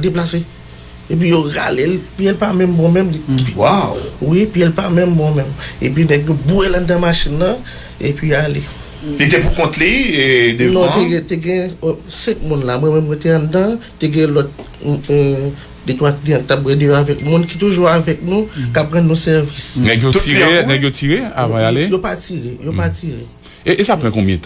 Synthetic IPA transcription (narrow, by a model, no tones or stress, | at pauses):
deplase | ep̬ɥijoɣa̰lelpiɛlpamɛ̃mbɔ̃mɛ̃mliwawwipiɛlpamɛ̃mbɔ̃mɛ̃mep̬ɥimɛ̃kjobuelãd̪ãmaʃinːɐ̃ | ḛpɥijoale | lit̪epukɔ̃t̪liednɔ̃teɡɛ̃teɡɛ̃sɛ̃k̚mũnlamwɛ̃mɛ̃mwɛteãdãteɡɛ̃lɔt̚ | det̪wakdiãkit̪ap̚ɣɛdejoavɛk̚mũnki̥t̪uʒuavɛk̚nũkapɣɐ̃nːũsɛʁvisnɛɡjoienɛɡjotiʁea̰vãjalejopatiʁejopatiʁe | eʔesapʁãkɔ̃bjɛ̃t̪ʰã